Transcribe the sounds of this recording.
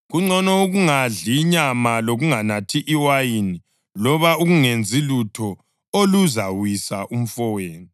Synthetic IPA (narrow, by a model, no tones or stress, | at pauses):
ɣuŋ͡ǀɔnɔuɣuŋaɮiɲamaloɣuŋanatʰiʔiwajini | lɔβauɣuŋend͡zʱilutʰɔ | oluzawisaʔum̩fɔweːni